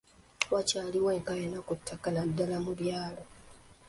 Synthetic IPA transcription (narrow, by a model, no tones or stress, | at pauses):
wacaːliweːŋkajenakutʰːakaladːalamuβjaːlo